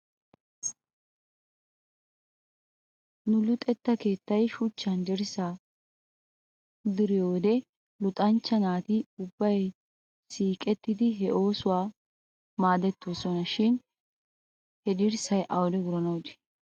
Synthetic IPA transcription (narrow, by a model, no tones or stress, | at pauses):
nʊlʊt̪ʼɛt̪ːɐke̞ːt̪ːɐjʃʊt͡ʃːɐnd̪ɪɾsaː | d̪ɪɾɪjoːd̪ɛ | lʊt̪ʼɐnt͡ʃːɐnaːt̪iʊbːɐj | siːkʼɛt̪ːɪd̪ɪɦɛʔo̞ːsʊwaː | maːd̪ɛt̪ːoːsɔnɐʃɪn | hɛd̪ɪɾsɐjʔɐwd̪ɛɡʊɾɐnɐwd̪ɛ̥